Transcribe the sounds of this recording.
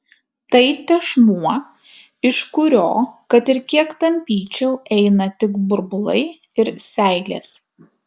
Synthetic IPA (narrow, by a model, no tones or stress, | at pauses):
t̪ɐɪt̪ʲɛʃmuɔ | ɪʃkʊɾʲoːkɐt̪ɪɾkʲiɛkt̪ɐmʲpʲiːt͡ʃʲɛʊʔɛɪnɐt̪ʲɪkbʊɾbʊlˠɐ̰ɪ | ɪɾsʲæˑɪlʲḛːs